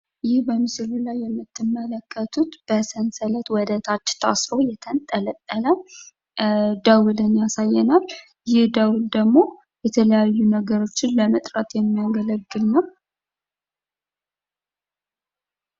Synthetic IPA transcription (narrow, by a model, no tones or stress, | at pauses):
jɪhbəmɨsɨlulajːɛmːɨt̪ːɨmːələkʰːət̪ʰut̪b̥əsənsələt̪wɔd̪ət̪ʰat͡ʃːt̪ʰa̰sɾowjɛt̪ʰənt̪ʼːələt̪ʼːələ | d̪əwʊlɨnjasajːɛnal | jɪhd̪əwuld̪əɡmo̞ | jɛt̪ʰələjajːunəɡəɾo̞t͡ʃːɪnləmət̪ʼɾət̪jɛmːijaɡələɡːɨlnəw